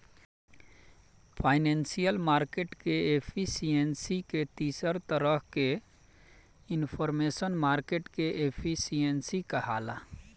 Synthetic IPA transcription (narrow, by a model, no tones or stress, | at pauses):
pʰaːɪnensijəlmaːɾkeʈkeepʰisijensiket̪iːsəɾt̪əɾəke | ɪnpʰɔɾmesənmaːɾkeʈkeʔepʰisijensikəɦaːla̰